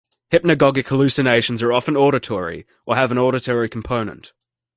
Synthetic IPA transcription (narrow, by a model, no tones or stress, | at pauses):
hɪp̚nəɡɑɡɪkʰhəlʉˑsɨneɪʃə̃n̩zə˞ɒfə̃nɔːɾətʰɔɹḭ | ʔəəvə̃nɔːɾətʰəɹikʰm̩pʰə̃ʊ̃nə̰̃nt